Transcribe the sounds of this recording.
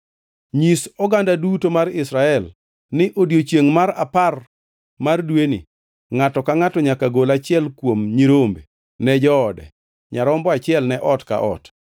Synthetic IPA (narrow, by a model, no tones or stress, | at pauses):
ɲisɔɡandadutomaɾɪsɾaɛl | nɪʔodjot͡ʃjeŋmaɾapar | mardwenḭ | ŋatɔkaŋatɔɲakaɡolat͡ʃɪɛlkwomɲiɾombe | nɛd͡ʒɔːdɛ̰ | ɲaɾɔmbɔat͡ʃɪɛlnɛʔɔtka̰ʔɔ̰t